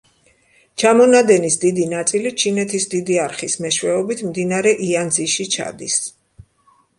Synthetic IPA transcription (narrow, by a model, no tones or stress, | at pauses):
t͡ʃʰamɔnad̪ɛnisd̪id̪inat̪sʼilit͡ʃʰinɛt̪ʰisd̪id̪iaɾχismɛʃwɛɔbit̪ʰmd̪inaɾɛʔianziʃit͡ʃʰa̰d̪is